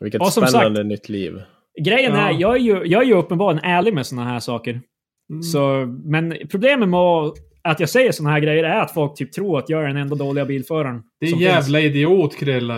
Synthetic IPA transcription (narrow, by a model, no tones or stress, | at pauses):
vɪ̰lkətɔsɔmɛaand̪ənʏt̪ʰːlḭːv | ɡɾɛjːənæɾjɑːɡæɾjɵjɑːɡæɾjɵɵpːənbɑːɾɪənæːɭɪɡmɛsɔnːaɦæːʂɑːkəɾ | sɔmɛnpʰɾʊbleːmənmɛ | at̪jɑːɡsɛjːəʂɔnːaɦæːɡɾɛjːəɾæɾat̪fɔlk̚t̪ʰyːp̚t̪ʰɾuːɾat̪jɑːɡæɖɛnɛnd̪ad̪oːlɪɡabiːlfœːɾaɳd̪̥ɛjæːvlaɪd̪ɛoːt̪kʰɾɛlːa